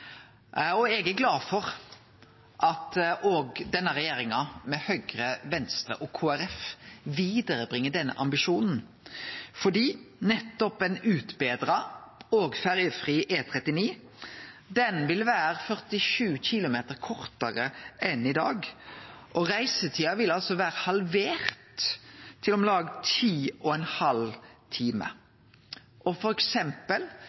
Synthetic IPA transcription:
ɔɛɡæɾɡlɑːd̪fɔʁ | ʔɑt̪ʔoːɡd̪ɛnːəʁɛjeːɾɪŋɑmɛhœɡɾəʋɛnst̪ɾə̰ʔɔkʰoːæɾɛfʋiːd̪əɾəbʁɪŋːəɖ̪ɛnːə̰ʔɑmbɪʃuːnn̩ | fɔɖiːnɛt̪ːɔpɛnʉːt̪beːd̪ɾɑoːɡfæʁjəfʁiːʔeːt̪ʰʁɛt̪ːɪniː | d̪ɛnʋɪlʋæːʁfœʁt̪ɪʂʉːçɪlʊmeːt̪əʁkʰɔʁt̪əʁəʔɛnɪd̪ɑːɡʔɔʁæɪsət̪ʰiːɑʋɪlɑlsɔʋæːʁəhɑlʋeːʁt̪ʰː | ɪlɔmlɑːɡt̪ʰiːʔɔɛnhɑlt̪ʰiːmə̰ | ʔɔfɔɾɛksɛmpəl

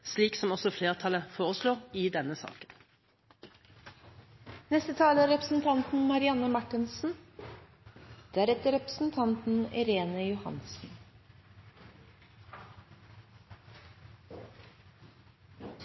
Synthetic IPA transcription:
sliːksɔmɔsɔfleːʁt̪ʰɑləfoːʁəsloːʁɪd̪ɛnːəsɑ̰ːkən | nɛst̪ət̪ʰɑːləæɾɾɛpɾəsn̩t̪ʰɑnt̪n̩mɑɾɪɑnːəmɑʈːɪnsn̩ | d̪̥eæɾɛt̪əɾɛpɾə̥sn̩t̪ʰɑnt̪n̩ɛ̰ɾeːnəjʊhɑ̰nsn̩

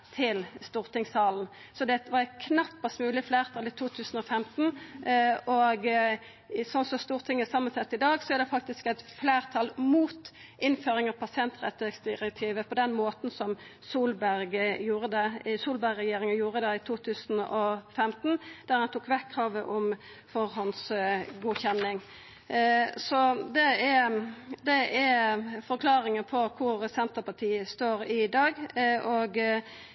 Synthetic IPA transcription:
t̪ʰɪlst̪uːʁt̪ɪŋsɑːln̩ | sɔd̪ɛt̪ʋɑɾkʰnɑpːɑst̪mʉːlɪfleːʁt̪ʰɑːlɪt̪ʰuːt̪ʰʉːsn̩ɔfɛmt̪n̩ | ɔɡ | sɔnsɔst̪uːʁt̪ʰɪŋːəsɑmːɑnsɛt̪ːɪd̪ɑːɡsɔæʁd̪ɛfɑk̚t̪ɪskɛt̪fleːʁt̪ʰɑːlmuːt̪ | ʔɪnføːɾɪŋɑʋpʰɑsɪɛnt̪ʁɛt̪ːəsd̪ɪʁɛk̚t̪ʰiːʋəpʰɔd̪ɛnmoːt̪n̩sɔm | suːlbæɾɡjuːɾəd̪ɛsuːlbæɾɛjeːɾɪŋənjuːɾəd̪ɛɪt̪ʰuːt̪ʰʉːsnɔfɛmt̪nd̪̥æɾhɑnt̪ʰuːkʋɛkʰːʁɑːʋəʔɔm | fɔɾɦɔnsɡuːçɛnːɪŋ | sɔd̪ɛɛd̪ɛɛfɔɾkʰlɑːɾɪŋəpʰɔkʰʊɾsɛnt̪əɾpɑʈ̪ʰiːəst̪oːɾɪd̪ɑːɡʔɔɡ

